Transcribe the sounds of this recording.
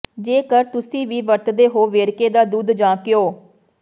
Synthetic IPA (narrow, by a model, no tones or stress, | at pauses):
d͡ʒeːkəɾt̪ʊsĩːʋiːʋəɾt̪d̪eːɦoːʋeːɾkeːd̪aːd̪uːd̪d͡ʒãːkɪjoː